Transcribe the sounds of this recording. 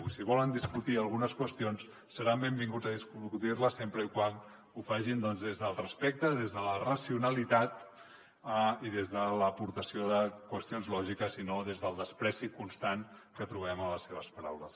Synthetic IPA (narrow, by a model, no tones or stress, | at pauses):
siβɔlənd̪iskut̪iəlˠɣunəskwəst̪ions | sːəɾambembiŋɡud͡zəðiskukut̪irləsempɾəikwan | ufaʒind̪ɔnzðezðəlˠrəspɛk̚t̪əðezðələrəsiunəlit̪at̪ | iðezðələpuɾt̪əsioðəkwəst̪ionzlɔʒikəsinoðezðəlˠd̪əspɾɛsikunst̪ankət̪ɾuβɛmələsːeβ̞əspəɾa̰wləs